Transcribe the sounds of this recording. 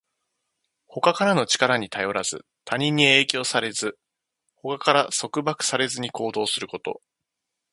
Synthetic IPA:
ho̞kakaɾano̞t͡ɕi̥kaɾaɲ̟it̪ajo̞ɾaz̥ɨ | t̪ʰaɲ̟ĩɲ̟ːie̞ːkʲo̞ːsaɾe̞zɨ | ho̞kakaɾaso̞kɯ̟bakɯ̟̥saɾe̞zɨɲ̟iko̞ːd̪o̞ːsɨɾɯ̟ko̞t̪o̞̰

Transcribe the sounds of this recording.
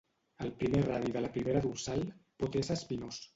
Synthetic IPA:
əlˠpɾimeraðiðələpɾimeɾəðulsalˠpot̪esəspinos

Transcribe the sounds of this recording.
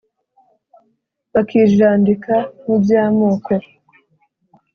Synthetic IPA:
βakʰiːʒaːndikan̥ubjaːmuːke

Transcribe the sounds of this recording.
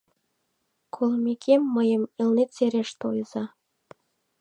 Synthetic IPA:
kʰolˠmikʲʰemːəjə̆milnet̪seɾeʃt̪ojzɑ

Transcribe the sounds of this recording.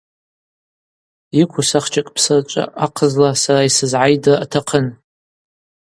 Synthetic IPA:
ikʷʰʊsaχt͡ʃʰʼakʼpʰsɨrt͡ʃʷʼa̰ʔaqʰəzlasaraisɨzʕajdaatʰaqʰən

